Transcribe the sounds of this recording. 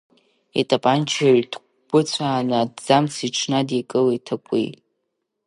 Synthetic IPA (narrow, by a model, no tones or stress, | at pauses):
ḭtʼapʼant͡ʃʰaɥtʰ | ɡʷʊt͡sʷʰaːnɨdd͡zamt͡sʰiʈ͡ʂʰnadikʼɨletʰakʷʼḭj